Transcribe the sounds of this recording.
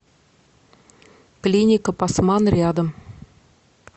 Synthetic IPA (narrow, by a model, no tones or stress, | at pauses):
klʲinʲɪkəpɑsmɑnrʲɪad̪əm